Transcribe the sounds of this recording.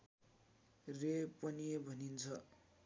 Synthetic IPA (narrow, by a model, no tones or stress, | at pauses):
repʌniebʱʌnint͡sʰʌ